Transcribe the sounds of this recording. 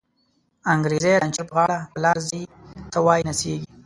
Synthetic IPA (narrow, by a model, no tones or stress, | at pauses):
aŋɡɾezeɾant͡ʃɪɾpɣɑɽapəlɑɾzit̪awɑjinaseɡi